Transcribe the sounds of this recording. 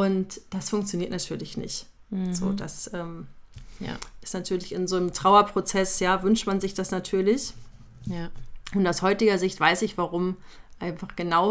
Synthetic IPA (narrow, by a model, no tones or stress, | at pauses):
ʔʊntd̥asfʊŋk̚t͡sjoniɐtnatʰyːɐlɪçnɪ̰çt | z̥o̰ːda̰sʔɛːm̰ | ʔɪ̥stnatʰyːɐlɪçɪnzoːnəmtʁ̥aʊɐpʁ̥ot͡sɛsjaːvʏnʃtmanzɪçd̥asnatʰyːɐlɪç | ʔʊntaʊshɔʏtɪɡɐzɪçtv̥aɪsɪçv̥aʁʊmʔaɪnfaχɡ̥ənaʊ